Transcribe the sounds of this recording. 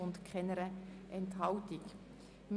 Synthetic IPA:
ʊntkʰχɛnəɾəʔɛntɦɑltik | m

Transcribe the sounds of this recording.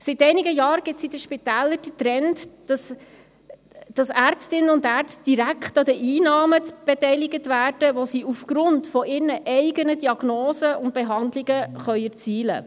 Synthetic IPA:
sitɛɪnɪɡəjɑːɾɡ̥ɪsidəʃpitæːləɾd̥ətɾɛntd̥ɑs | d̥ɑsæːɾt͡stɪnəʊndæːɾt͡st̚d̥iɾækχtɑdəʔiːnɑːmət͡sb̥ɛtɛɪlɪɡətvæːrd̥əʋosiʔufɡ̥ɾʊntfɔʔɪːɾnəʔɛɪɡənədiɑɡ̥noːsəʊnt̚b̥eɦɑndlɪɡəχœʏɛɾt͡siːlə̰

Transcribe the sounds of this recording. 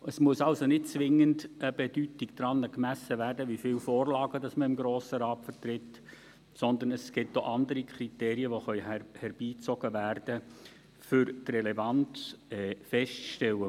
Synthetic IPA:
əsmuəsɑlsonɪt̚t͡sʋɪŋəndəb̥ɛd̥ytiɡd̥̪ɾɑnːəkmæsəvæːrdəʋifɪːlfoːrlɑːɡ̥ədɑsməɪmɡɾoːsəɾɑːtfəɾt̪ɾɪt | sɔnd̪ənəsɡ̥ɪtːoʔɑnd̪əɾikʰɾiteːɾiəʋoxœʏhɛɾb̥iːt͡sɔɡ̥əʋæːrd̥ə | fʏɾtrɛlɛvɑnt͡sɛːfɛʃtʃtɛlə

